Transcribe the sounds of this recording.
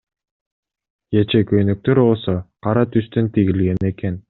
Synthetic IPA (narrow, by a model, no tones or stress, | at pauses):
jet͡ʃekøjnøk̚t̪øɾbolˠsoqɑɾɑt̪yst̪ønt̪iɡilɡeneken